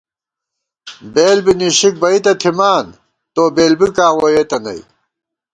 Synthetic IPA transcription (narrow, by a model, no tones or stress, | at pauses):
beːlbiniɕik̚bɐit̪ɐt̪ʰimaːn | t̪oːbeːlbikaːwojet̪ɐnɐ̰j